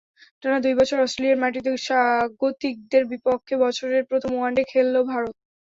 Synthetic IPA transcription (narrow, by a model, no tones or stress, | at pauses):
ʈanad̪ujbɔt͡ɕʰoɾɔsʈɾelieɾmaʈ̬it̪eʃaɡot̪ik̚d̪eɾbipokʰːebɔt͡ɕʰoɾeɾpɾot̪ʰomuaɳɖekʰelːobʱaɾot̪̚